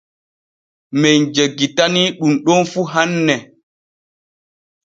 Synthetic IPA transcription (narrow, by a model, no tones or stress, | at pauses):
mejd͡ʒeɡːitaniɗumɗɔnfuɦanːɛ